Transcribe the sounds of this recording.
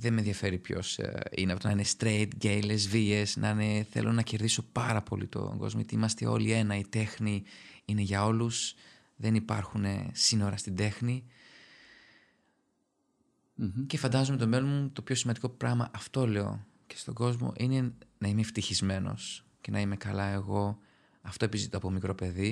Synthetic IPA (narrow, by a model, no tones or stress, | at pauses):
ðenmenðiɐfe̞ɾipço̞̰sḭneɐfot̪onɐinest̪ɾejt̪ɟejlezviesnʔɐneθe̞̰lʔo̞nɐce̞ɾðiso̞pɐɾɐpolḭt̪o̞̰ŋɡo̞̰zmojet̪iimɐst̪ḛo̞̰lie̞nɐit̪e̞xniine̞ʝɐo̞lus | ðe̞nipɐɾxune̞̰sino̞ɾɐst̪ind̪e̞xni | ce̞fɐnd̪ɐzume̞t̪o̞me̞lonmut̪o̞pço̞simɐnd̪iko̞pɾɐɣmɐʔɐft̪o̞le̞o̞̰ | ce̞̥st̪o̞ɡo̞zmo̞̰ʔine̞nɐime̞ft̪içizme̞no̞̰s | ce̞nɐime̞kɐlɐe̞ɣo̞ | ɐft̪o̞epizit̪oɐpo̞mikɾo̞pe̞ði